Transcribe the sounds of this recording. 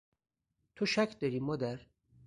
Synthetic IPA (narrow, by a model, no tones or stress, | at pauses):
t̪ʰoʃækʰd̪ɒɾiːmɒːd̪æɾ